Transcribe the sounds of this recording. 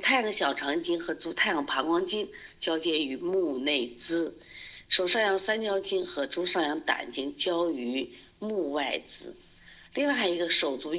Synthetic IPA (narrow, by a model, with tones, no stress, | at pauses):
t̪ʰa˥ɪjŋɕjɑ˨˩ʊʈ͡ʂʰɑ˧˥ŋt͡ɕi˥ŋxɤ˧˥t͡su˧˥t̪ʰa˥˩ɪjɑ˥˩pʰɑ˧˥ŋkwɑ˥ŋt͡ɕi˥ŋ | t͡ɕjɑ˥ʊt͡ɕjɛ˥ny˧˥mu˥˧ne˥˩ɪt͡sɹ̩˥ | ʂo˨˩ʊʂɑ˥˩jɑ˧˥˩ŋsa˥nt͡ɕjɑ˥ʊt͡ɕi˥ŋxɤ˧˥ʈ͡ʂu˥ʂɑ˥˩jɑ˧˥ŋt̪a̰˨˩nt͡ɕi˥ŋt͡ɕjɑ˥ʊy˧˥ | mu˥˧wa˥˩ɪt͡sɹ̩˧˥ | li˥˧ŋwa˥˩ɪxa˧˩ɪi˧˥ɡə˧ʂo˨˩ʊt͡su˧˥